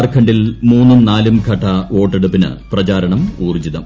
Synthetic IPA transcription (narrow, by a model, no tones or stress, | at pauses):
rkʰɐɳɖilmuːnːɐmnaːlumkʰɐʈːɐo̞ːʈːeɽupːinɨ̰prɐt͡ɕaːɾɐɳɐmuːrd͡ʑiðɐm